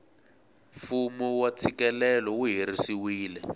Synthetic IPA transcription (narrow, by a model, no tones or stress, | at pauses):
fumuwat͡sʰikɛlɛlɔuɦiɾisiwiːlɛ